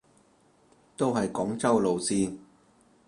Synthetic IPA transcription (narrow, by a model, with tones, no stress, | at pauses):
t̪o˥wɦɐ˨jkɔː˨˥ŋt͡sɐ˥wlo˨wsiː˧